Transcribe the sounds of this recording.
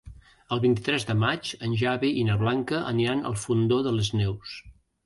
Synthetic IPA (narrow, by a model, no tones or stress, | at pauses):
əlˠβint̪it̪ɾɛzðəmat͡ʃənʲʒaβiʔinəβlaŋkəʔə̰nianə̰lˠfund̪oðələznews